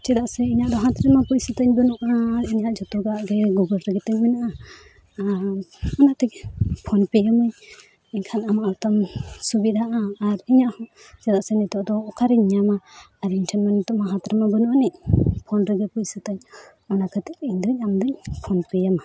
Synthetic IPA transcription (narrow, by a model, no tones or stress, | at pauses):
t͡ʃɛd̪aʔsɛiɲaʔd̪ɔɦãt̪ɾɛmapucsət̪aɲbənuʔainijaʔd͡ʒɔt̪uɡaaʔɡɛɡuɡəɾɾɛɡɛt̪ɛɲmɛnaʔa | ɔnaʔt̪ɛkpʰɔnpɛjəmɯɲ | iɲkʰanamaʔt̪amsubid̪aʔaːɾiɲaʔhɔ | t͡ʃɛdaʔsɛnit̪ɔʔd̪ɔːkʰaɾiɲːamaːɾiɲʈʰɛnmanit̪ɔʔmaɦãt̪ɾɛmabənuʔaniʔpʰɔnɾɛɡɛpucsət̪aɲ | ɔnakʰət̪ɛk̚iɲd̪əɲamd̪ɯɲpʰɔnpɛjəma